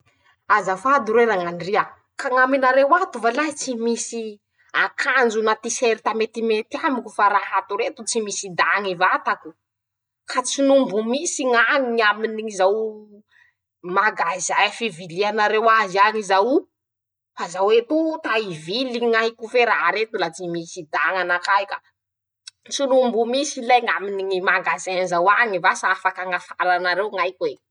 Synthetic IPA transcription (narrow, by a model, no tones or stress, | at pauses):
azafad̪uɾeɾaŋanria | kaŋaminaɾewat̪uvalat͡simisi | akʰand͡ʒunat̪iseɾit̪amet̪imet̪iamikufaɾahat̪uɾet̪ut͡simisid̪aŋivat̪aku̥ | kat͡sinumbumisiŋaŋiaminiizaw | maɡazajfivilianaɾewaziaɲizaw | fazawet̪ut̪aiviliŋajkufeɾaɦaɾet̪ulat͡simisid̪aŋanakajkḁ | t͡sinumbumisilajŋaminiŋimaɡazaanzawaŋivasaafakaŋafalanaɾewŋajkuwe